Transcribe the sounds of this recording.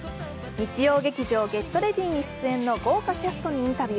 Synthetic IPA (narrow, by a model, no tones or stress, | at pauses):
ɲ̟it͡ɕijo̞ːɡe̞kʲiʑo̞ːɡe̞t̪ːo̞ɾe̞d̪ʲĩːɲ̟iɕi̥t͡sɨẽ̞nːo̞ɡo̞ːkat̪e̞sɨ̥t̪o̞ɲ̟iĩnt̪abʲ